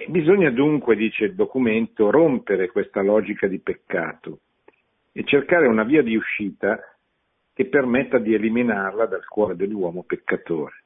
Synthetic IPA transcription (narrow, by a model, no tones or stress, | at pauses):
bizoɲːad̪uŋkwed̪iːt͡ʃeild̪okument̪oɾompeɾekwest̪alɔːd͡ʒikad̪ipekːa̰ːt̪o | et͡ʃːerkaːɾeunaviːad̪iuʃːiːt̪a | k̟epːermet̪ːad̪ieliminarlad̪alkwɔːɾed̪elːwɔːmopekːat̪oːɾe